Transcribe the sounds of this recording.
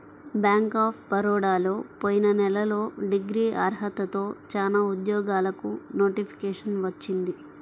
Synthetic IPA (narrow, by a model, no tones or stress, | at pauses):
bjaːŋkaːpʰbɐɾɔːɽaːlo̞ːpoːjinɐnɛlɐlo̞ːɖiɡɾiːʔaːɾɦɐt̪ɐt̪o̞ːt͡ʃaːnaːud̪jɔːɡaːlɐkunoːʈipʰi̥kɛːʂɐnʋɐt͡ʃːind̪i